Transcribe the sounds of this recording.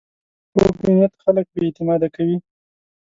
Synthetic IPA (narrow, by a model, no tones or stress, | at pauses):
pokinijat̪xalək̚bet̪ɪmɑd̪akawi